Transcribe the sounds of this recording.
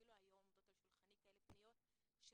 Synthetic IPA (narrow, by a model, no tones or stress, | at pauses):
iluajomt̪ot̪olʃulχanikaelepnijot̪ | ʃ